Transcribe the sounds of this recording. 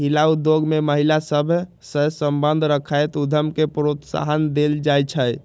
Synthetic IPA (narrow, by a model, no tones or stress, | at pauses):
ɦilaud̪joɡmeməɦilasəbʱ | səsəmbənd̪ʱɾəkʰajt̪ud̪ʱəmkepɾot̪sa̰ɦənd̪eld͡ʒajt͡ʃʰəj